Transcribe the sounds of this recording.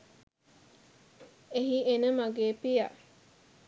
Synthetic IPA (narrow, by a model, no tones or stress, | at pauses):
eɦienəmaɡeːpija